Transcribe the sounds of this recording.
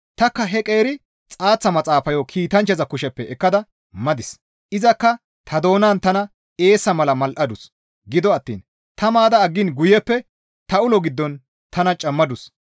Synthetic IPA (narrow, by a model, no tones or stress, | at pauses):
t̪ɐkːɐɦɛkʼe̞ːɾɪ | t͡sʼaːt͡sːɐmɐt͡sʼaːfɐjɔkʰiːt̪ɐnt͡ʃːɐzɐkʊʃɛpːɛɛkːɐd̪ɐ | mɐd̪ɪs | ʔɪzɐkːɐ | t̪ʰɐd̪o̞ːnaːnt̪ɐnɐ | e̞ːsːɐmɐlɐmɐlʔɐd̪ʊs | ɡɪd̪ɔɐt̪ːḭːn | t̪ɐmaːd̪ɐːɡːɪnɡʊjɛpːɛ | t̪ɐʊlɔɡɪd̪ːɔn | t̪ɐnɐt͡ʃʼɐmːɐd̪ʊs